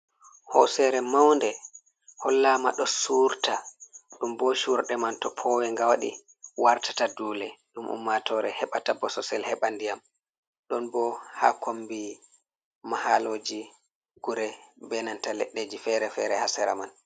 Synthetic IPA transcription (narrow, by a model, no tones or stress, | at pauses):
hɔ̰sɛɾɛmawndɛ | hɔlːaːma̰ɗɔsuɾtaɗumbɔʃuɾɗɛmantɔpʰɔwɛŋɡawaɗḭ | waɾtḁtaduːlɛɗumʔṵmːatɔɾɛhɛɓatabɔsɔsɛlhɛɓandijam | ɗɔnbɔha̰kʰombi | mahaloːd͡ʒi | ɡuɾɛbɛnantalɛ̰ɗːeːd͡ʒifɛɾɛfɛɾɛhasɛɾa̰man